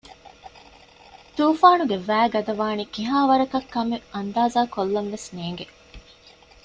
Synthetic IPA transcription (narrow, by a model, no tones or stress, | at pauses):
t̪uːfaːnuɡeʋæːɡɐd̪ɐʋaːnikiɦaːʋɐɾɐkɐkːɐmeɐnd̪aːzaːkolːɐnʋesneːŋɡe